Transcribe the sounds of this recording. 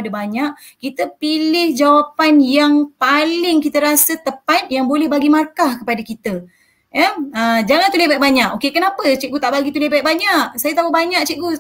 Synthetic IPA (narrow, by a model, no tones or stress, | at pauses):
dəbaɲaʔ | kit̪əpilɪhd͡ʒawapanjaŋpalɪŋkit̪əɾasət̪əpat̪̚jaŋbolɛhbaɡimarkahkəpadakit̪ə | jaəd͡ʒaŋant̪ulebajʔ̚baɲaʔokekənapət͡ʃit̪̚ɡut̪aʔbaɡit̪ulebajʔ̚baɲaʔsajət̪aɦuʔbaɲak̚t͡ʃiʔ̚ɡu